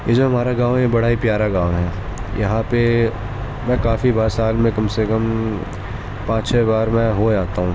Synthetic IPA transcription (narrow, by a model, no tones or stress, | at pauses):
jed͡ʒoɦɐmaːɾaɡãːʋɛjebɐɽaːipjaːɾaɡãːʋɦɛːjɐɦãpe | mɛ̃ːkaːfibaːɾsaːlmẽkɐmsekɐm | pãːt͡ʃt͡ʃʰɛbaːɾmɛ̃ɦod͡ʒaːt̪aɦũː